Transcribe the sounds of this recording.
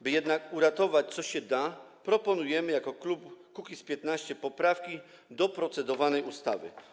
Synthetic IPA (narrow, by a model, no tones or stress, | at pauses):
bɘjɛd̪nakuɾat̪ɔvat͡ɕt̪sɔɕɛd̪a | pɾɔpɔnujɛmɘjakɔklupkukʲispʲjɛt̪naɕt͡ɕɛpɔpɾafkʲi | d̪ɔpɾɔt̪sɛd̪ɔvanɛjust̪a̰vɘ̰